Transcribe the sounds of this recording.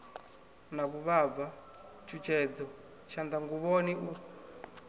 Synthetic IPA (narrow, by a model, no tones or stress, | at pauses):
naβuβava | t͡ʃʰut͡ʃʰɛd͡zɔ | t͡ʃand̪aŋɡuβɔniʔu